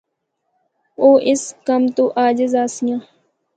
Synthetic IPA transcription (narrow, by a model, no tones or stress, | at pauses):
oːʔɪskəmt̪oːʔaːd͡ʒɪzaːsijãː